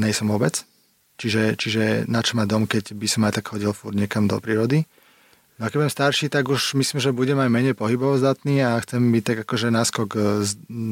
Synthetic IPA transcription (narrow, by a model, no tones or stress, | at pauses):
ɲɛjsɔmʊɔbɛt͡s | t͡ʃiʒɛt͡ʃiʒɛnat͡ʃɔmad̪ɔmkɛɟbisɔmajt̪akxɔɟilfuɾɲɛkamd̪ɔ̰pɾiːɾɔd̪i | nɔakɛɟbujɛmst̪aɾʃiːt̪aɡuʃmisliːmʒɛbuɟɛmajmɛɲɛjpɔɦibɔʋɔzd̪at̪niːaxt͡sɛmbict̪aɡakɔʒɛnaskɔɡz